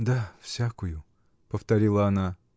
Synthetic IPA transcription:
d̪afsʲakʊjʊ | pəft̪ɐɾʲilˠəɐna

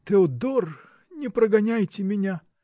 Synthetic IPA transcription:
t̪ɨod̪or | nʲɪpɾəɡɐnʲajtʲɪmʲɪnʲa

